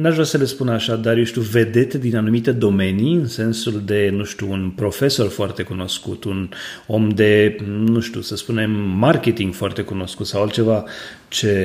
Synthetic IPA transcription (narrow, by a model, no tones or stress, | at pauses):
naʒvɾasəle̞spunaʃad̪arjoʃt̪ʲjuve̞d̪e̞t̪ed̪inanumit̪e̞d̪o̞me̞niɨnse̞nsuld̪e̞nuʃt̪ʲuːnpɾo̞fe̞so̞rfoart̪e̞kuno̞skṵt̪uno̞md̪e̞nuʃt̪ʲusəspune̞mːarket̪iŋɡ̥foart̪e̞kuno̞skut̪sawalt͡ʃe̞va | t͡ʃe̞